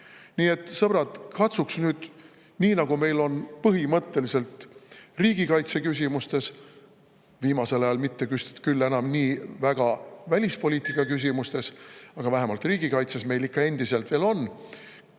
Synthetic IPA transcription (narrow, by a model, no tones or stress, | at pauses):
niːe̞t̪ːˑsɤb̥ɾɑd̪̥kɑt̪suksnyːd̪̥ | niːnɑɡ̥ume̞jlo̞npɤɦimɤt̪ːe̞lise̞lt̪riːɡ̥ikɑjt̪se̞kys̬ʲimust̪e̞s | viːmɑse̞lɑjɑlmit̪ːe̞kyst̪e̥t̪kylːe̞nɑmniːvæɡ̥ɑvælʲispo̞lʲiːt̪ːˑikːˑɑkys̬ʲimust̪e̞sɑɡ̥ɑvæɦemɑlt̪riːɡikɑjt̪sesme̞jlikːɑe̞nd̪̥ise̞lt̪v̥e̞ːlo̞nː